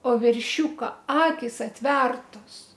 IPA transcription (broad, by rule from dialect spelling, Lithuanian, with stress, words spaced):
oː ʋʲɛrʲˈʃʲuːkɐ ˈɑːkʲɪs ɐtʲˈʋʲɛrtoːs